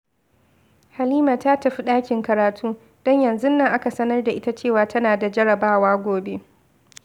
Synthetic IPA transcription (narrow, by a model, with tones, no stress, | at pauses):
ha˨liː˦maː˨taː˦tɐ˨ɸi˦ɗaː˦kʲɪ˨ŋkɐ˨ɾaː˨tʰuː˦ | d̥ɔ˦ɲjɐ˨nzʊ˦nːa˨ŋʔa˦ka˨sɐ˦nɐ˦rda˨ʔɪ˦ta˦t͡ʃeː˦˨waː˨tʰɐ˦naː˨da˨d͡ʒɐ˦ɽɐ˨baː˦waː˦ɡʷoː˨be˦